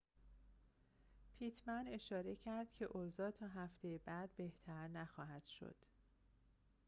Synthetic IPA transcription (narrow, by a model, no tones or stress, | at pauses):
pʰiːt̪ʰmæne̞ʃɒːɾe̞cʰæɾd̪̥̚cʰe̞ʔoːzɒːt̪ʰɒːɦæft̪ʰejebæd̪̚beht̪ʰæɾnæxɒːɦæd̪̥ʃo̰d̪̥